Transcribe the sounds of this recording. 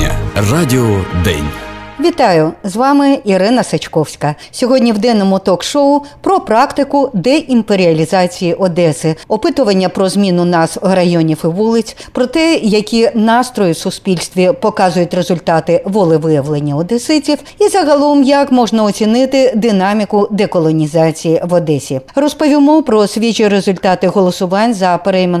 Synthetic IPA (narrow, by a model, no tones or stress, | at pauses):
ɐ̰radʲɪɔd̪ɛ̰nʲʋʲit̪ɑjʊzʋɑmɪiɾɪnɐsɐt͡ʃkɔwsʲkɐ | sʲɔɦɔdʲnʲiwd̪ɛnːɔmʊt̪ɔkʃɔʊpɾɔpɾɑkt̪ɪkʊd̪ɛʔimpeɾʲiɐlʲizɑt͡sʲijiʔɔd̪ɛsɪɔpɪt̪ʊʋɐnʲːɐpɾɔzmʲinʊnɑsrɐjɔnʲiwɪʋulˠɪt͡sʲpɾɔt̪ɛjɐkʲinɑst̪ɾɔjɪwsʊspʲilʲst̪ʲʋʲipɔkɑzʊjʊtʲrezʊlʲt̪ɑt̪ɪʋɔlˠɪʋɪjɐʋlˠenʲːɐɔd̪ɛsɪt͡sʲiw | izɐɦɐlˠɔmjɐkmɔʐnɐɔt͡sʲinɪt̪ɪd̪ɪnɑmʲikʊd̪ɛkɔlˠɔnʲizat͡sʲijiʋɔd̪ɛsʲirɔspɔʋʲimɔpɾɔsʲʋʲit͡ʃiɾezʊlʲt̪ɑt̪ɪɦɔlˠɔsʊʋɑnʲzɐpeɾɛjme